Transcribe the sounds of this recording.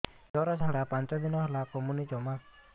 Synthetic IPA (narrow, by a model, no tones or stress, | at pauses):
d͡ʒɔɾasaɾapant͡ʃɔd̪inɔhlakɔmunit͡ʃɔmak̚